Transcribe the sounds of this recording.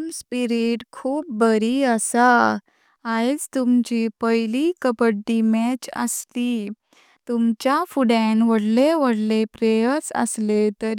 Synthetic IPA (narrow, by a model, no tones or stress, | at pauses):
mspiɾiʈkʰuːp̚bəɾiəsa | ajd͡zt̪umt͡ɕipəjlikəpəd̪imɛt͡ɕə̰sli | t̪umt͡ɕjafuɽẽnʋəɽleʋəɽlepɾejət͡sə̰slet̪əɾ